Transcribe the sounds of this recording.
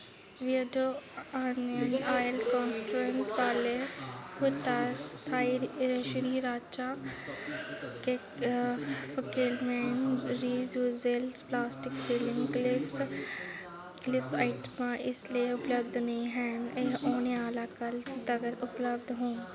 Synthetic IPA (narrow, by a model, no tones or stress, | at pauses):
ʋid͡ʒoanənaːjəlkɔ̃ːnsʈɾueɳʈʋaːlehʊʈast̪ʰaːiɾɾeʃɾiɾaːt͡ʃaː | ke | fəkiːlmenɾiːzuzelsplaːsʈɪksiːlɪ̃ŋklɪps | klɪpsaːɪʈmãʔɪslieʊpləb̚d̪ʱnɐĩɦɛːneoːneaːlakɐlt̪ɐɡəɾʊpləb̚d̪ʱɦũː